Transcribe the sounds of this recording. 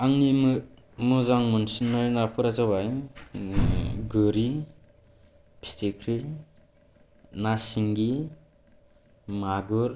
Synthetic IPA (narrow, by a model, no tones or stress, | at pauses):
aŋnimɯ | mɯzaŋmɯnsinːajnapʰɯɾazaβaj | ɡɯɾi | pʰi̥stikʰɾi | nasiŋɡi | maɡɯɾ